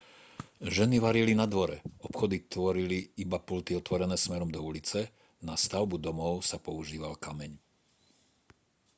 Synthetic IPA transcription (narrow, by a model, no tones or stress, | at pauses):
ʒɛniʋaɾilinad̪ʋɔɾɛɔpxɔd̪it̪ʋɔɾiliibapult̪iɔt̪ʋɔɾɛnɛːsmɛɾɔmd̪ɔulit͡sɛ | nast̪aʊbud̪ɔmɔʊsapɔuʒiːʋalkamɛɲ